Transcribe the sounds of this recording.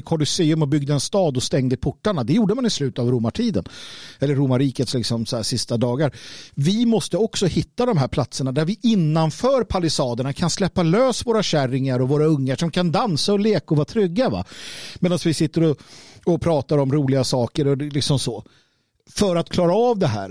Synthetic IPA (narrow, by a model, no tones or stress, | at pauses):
kʰɔlʏseːɵmɔbʏɡ̚d̪əɛnst̪ɑːd̪ɔst̪ɛŋd̪əɪpʰʊʈːaɳad̪ɛjuːɖəmanɪslʉ̟ːt̪avɾʊmːaʈʰiːd̪ə̰nɛlːəɾːʊmaɾiːkət̪slɪksɔmsɔhæːʂɪst̪ad̪ɑːɡaɾvɪmɔst̪əɔksɔhɪt̪ːad̪ɔmɦæːɾpʰlat̪səɳad̪æɾvɪʔɪnːanfœːɾpʰalɪsɑːd̪əɳakʰanslɛpːaløːsvoːɾaɕæɾːɪŋaɾɔvoːɾaɵŋːaʂɔmkʰand̪ansaɔleːkaɔvɑːt̪ʰɾʏɡːava̰mɛːd̪ansvɪsɪt̪ːəɾɔɔpʰɾɑːt̪aɾɔmɾuːlɪɡasɑːkəɾɔlɪksɔmsɔ | fœɾat̪kʰlɑːɾaɑvd̪ɛɦæ̰ːɾ